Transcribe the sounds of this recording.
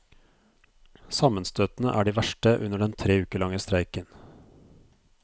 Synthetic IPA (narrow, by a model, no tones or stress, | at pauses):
sɑmənst̪øːt̪n̩əʔæ̰ːɖiːʋæʃʈəʔʉnəɖɛnt̪ʰɾeːʉːkəɭɑŋəst̪ɾæɪkən